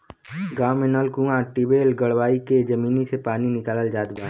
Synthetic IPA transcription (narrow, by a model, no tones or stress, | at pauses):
ɡaːmenəlkũːãʈibeːlɡəɽʋaːiked͡ʒɐmiːnisepaːninɪkaːləld͡ʒaːd̪baː